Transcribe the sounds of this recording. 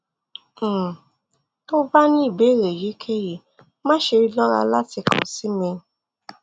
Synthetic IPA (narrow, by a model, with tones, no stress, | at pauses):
to˦ba˦nĩ˦i˦˨be˨˦˨ɾe˨ji˨˦kʰe˦ji˨ | mã˦ʃe˧ɾi˦lɔ˦ɾa̰˧la˦ti˧kʰɔ̰̃˨si˨˦mẽ˧˦